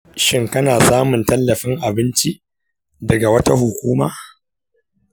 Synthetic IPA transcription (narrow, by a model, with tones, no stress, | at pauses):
ʃɪ˦ŋkɐ˦naː˨saː˦mʊ˨ntɐ˦lːɐ˨ɸɪ˦ŋʔa˨bɪ˦nt͡ʃi˦ʔ | dɐ˨ɡa˨wɐ˦ta˦ɦʊ˨kʷuː˦maː˦